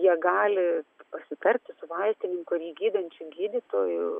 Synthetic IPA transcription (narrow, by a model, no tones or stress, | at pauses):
jiɛɡɑːlʲɪpɐsʲɪt̪ɐɾʲt̪ʲɪsʊʋɐɪsʲt̪ʲɪnʲɪŋkʊɐɾʲiːɡʲiːd̪ɐnʲt͡ʃʲʊɡʲiːd̪ʲit̪oːjʊʊ